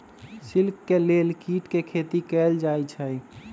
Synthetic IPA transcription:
sɪlkːeleːlkiːʈkekʰeːt̪ikɛːld͡ʒaːit͡ʃʰəi

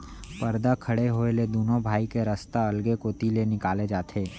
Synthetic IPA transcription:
pɐɾd̪akʰɐɽeɦoːeled̪oːnõbʱaːikeɾɐst̪aɐlɡekoːt̪ilenɪkaːled͡ʒaːt̪ʰeː

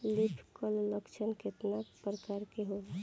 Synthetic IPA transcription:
lipʰkəlləkt͡ʃʰənket̪napɾəkaɾkeɦo

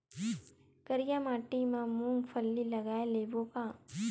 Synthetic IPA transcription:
kəɾijamaːʈimãmũːmpʰəlːilɐɡaːeleːboːkãː

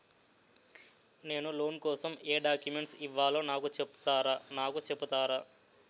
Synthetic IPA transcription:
ne̞ːnulo̞ːnkɔːsɐmeːɖaːkjumeɳʈsiʋːaːloːnaːkut͡ʃepːu̥t̪aːɾaːnaːkut͡ʃepːut̪aːɾaː

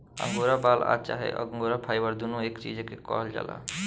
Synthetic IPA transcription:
ə̰ŋɡoɾabala̰t͡ʃa̰ɦɛ̰ʔəŋɡoɾapʰajbəɾd̪unoekt͡ʃid͡ʒkekɔ̰ɦld͡ʒa̰la̰

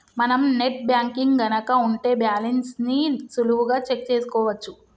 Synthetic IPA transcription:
mɐnɐmne̞ʈ̚bjaːŋkiŋɡɡɐnɐkɐuɳʈe̞ːbjaːlensnisuluʋuɡaːt͡ʃe̞k̚t͡ʃe̞ːsu̥kɔːʋɐt͡ʃːu

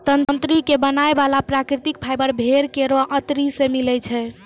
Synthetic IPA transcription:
t̪əntnt̪ɾikebənaebalapɾakɾit̪ik̚pʰajbəɾbʱeɾkeɾoʔət̪ɾisemilɛt͡ʃʰɛ

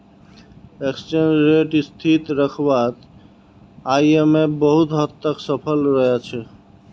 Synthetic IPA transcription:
eksʈenɾeʈist̪ʰit̪ɾəkʰbat̪ | aiemebəɦut̪ɦət̪ːəksəpʰəlɾəɦet͡ʃʰɛ

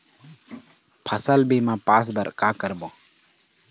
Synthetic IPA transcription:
pʰəsəlbʱiːmãːpaːs̬bəɾkaːkəɾboː

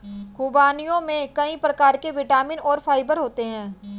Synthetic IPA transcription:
kʊbaːnijõmẽkɐĩpɾɐkaːɾkeʋɪʈaːmɪ̃nɔːɾfʰaːɪbəɾɦoːt̪eɦɛ̃ː

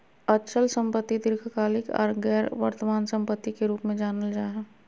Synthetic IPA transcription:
ɐt͡ʃʰəlsə̃mpət̪ːid̪ɪɾkʰəkaːlɪkɔ̰ːɾɡɛːɾʋə̰ɾt̪əmaːnsə̃mpət̪ːikeɾuːpmẽd͡ʒaːnəld͡ʒaːɦɛ̃ː

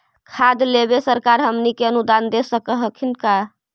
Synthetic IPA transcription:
kʰad̪lebesəɾkaɾɦəmnikeənud̪and̪esəkəɦəkʰinka

